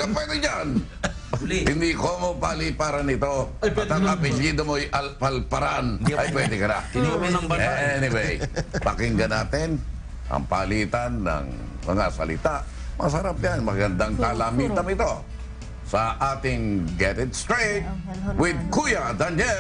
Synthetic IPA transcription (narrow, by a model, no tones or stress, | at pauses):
kɐpwɛd̪ɪd͡ʒan | hɪnd̪ikomopalipaɾɐnɪt̪o̞t̪aɐpɛʎjiːd̪omojʔɐlpɐlpɐɾanʔɐjpwɛd̪ɛkɐna̰nɐɛnɪwɛjpɐkɪŋɡɐnaːt̪ɪn | ʔɐ̰ŋpaliːt̪ɐnːɐ̰ŋ | mɐŋasɐ̰lɪ̰t̪aʔ | mɐasɐɾap̚janmɐɡɐnd̪aŋk̪aːlamiːt̪ɐŋɪt̪o̞ | sɐʔaːt̪ɪŋɡɛt̪ɪd̪st̪ɹet̪̚wɪd̪̚kujɐd̪and͡ʒɛ